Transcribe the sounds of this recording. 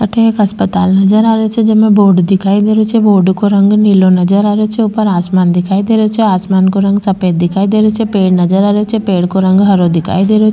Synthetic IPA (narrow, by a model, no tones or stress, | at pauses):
ɐʈʰekɐspət̪aːlnɐd͡ʒəɾaːɾet͡ʃʰed͡ʒemẽboːɾɖd̪ikʰaːid̪eɾot͡ʃʰeboːɖkoɾɐŋɡnilonɐd͡ʒəɾaɾjot͡ʃʰeupəɾaːsmaːnd̪ikʰaːid̪eɾot͡ʃʰeaːsmaːnkoɾɐŋɡsɐpet̪̚d̪ikʰaːid̪eɾot͡ʃʰepeːɽnɐd͡ʒəɾaːɾjot͡ʃʰepeːɽkoɾɐŋɡɦɐɾod̪ikʰa̰ːjd̪eɾot͡ʃʰ